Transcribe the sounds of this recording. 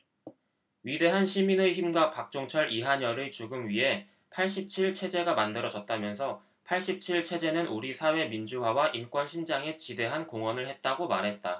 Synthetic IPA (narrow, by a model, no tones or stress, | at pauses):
ɥide̞ɦanɕʰiminɯçimɡwapak̚t͡ɕ͈oŋt͡ɕʰʌɾʔiɦaɲʌɾɯt͡ɕuɡɯmɥiɦe̞ | pʰaɭɕ̬͈ip̚t͡ɕʰiɭt͡ɕʰe̞d͡ʑe̞ɡamandɯɾʌd͡ʑʌt̚t͈amjʌnsʰʌ | pʰaɭɕ͈ip̚t͡ɕʰiɭt͡ɕʰe̞d͡ʑe̞nɯnʔuɾisʰawe̞mind͡ʑuɦwawaʔink͈wʌnɕʰind͡ʑaŋe̞t͡ɕide̞ɦankoŋʌnɯɭhe̞t̚t͈aɡomaɾɦe̞t̚t͈a